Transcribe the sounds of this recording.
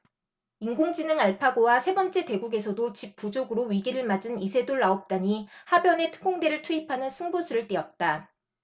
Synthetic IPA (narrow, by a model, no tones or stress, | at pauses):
iŋɡoŋd͡ʑinɯŋaɭpʰaɡowasʰe̞bʌnt͡ɕ͈e̞te̞ɡuɡe̞sʰʌdot͡ɕip̚p͈ud͡ʑoɡɯɾoɥiɡiɾɯɭmad͡ʑɯnisʰe̞doɭːaop̚t͈aɲihabjʌne̞tʰɯ̥ɡoŋde̞ɾɯɭtʰuipʰanɯnsʰɯŋbusʰuɾɯɭt͈iʌt̚t͈a